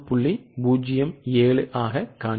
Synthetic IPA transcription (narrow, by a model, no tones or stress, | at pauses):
pːʊɭːibuːd͡ʒɪjɐmeːɭɯʔaːɣɐkaː